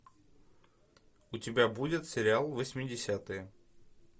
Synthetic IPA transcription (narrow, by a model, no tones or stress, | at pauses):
ʊtʲɪbʲabudʲɪt̪sʲɪɾʲɪalˠvəsʲmʲɪdʲɪsʲat̪ɨjə